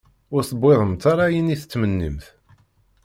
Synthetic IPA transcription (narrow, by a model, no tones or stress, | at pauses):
ʊɾθəbːeðˤəmt̪ːaɾˤajəniθət͡sːmənːḭmθ